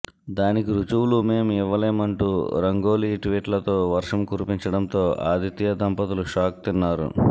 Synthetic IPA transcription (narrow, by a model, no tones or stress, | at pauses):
d̪aːnikiɾut͡ʃuwlume̞ːmiʋːɐle̞ːmɐɳʈuːɾɐŋɡoːliːʈʋiːʈlɐt̪o̞ːʋɐɾʂɐmkuɾupiɲt͡ʃɐɽɐnt̪o̞ːa̰ːd̪it̪jɐd̪ɐmpɐt̪uluʂaːk̚t̪inːaːɾṵ